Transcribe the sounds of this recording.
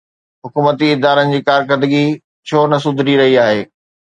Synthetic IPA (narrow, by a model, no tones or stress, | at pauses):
ɦʊkuːmət̪iɪd̪aːɾənɪ̆d͡ʑiːkaːɾkəd̪əɡi | t͡ɕʰoːnɐs̬ʊd̪ʱɪɾiɾɐɦiaːɦeː